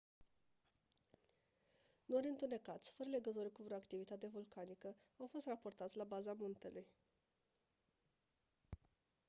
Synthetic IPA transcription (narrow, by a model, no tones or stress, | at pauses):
no̞ɾʲɨnt̪une̞kat̪sʲfəɾəle̞ɡət̪orʲkuvɾo̞akt̪ivit̪at̪e̞vulkanikəawfo̞st̪rapo̞rt̪at̪sʲlabazamunt̪e̞luj